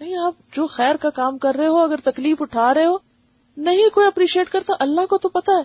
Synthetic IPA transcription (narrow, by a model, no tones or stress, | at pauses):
nɐɦĩaːp̚d͡ʑoːxɛːɾkakaːmkɐɾːɐɦeɦoɐɡəɾt̪ɐkliːfʊʈʰaːɾɐɦeɦoː | nɐɦĩkoːiɐpɾiːʃieːʈkɐɾt̪aʔɐlːaɦkot̪opɐt̪aeː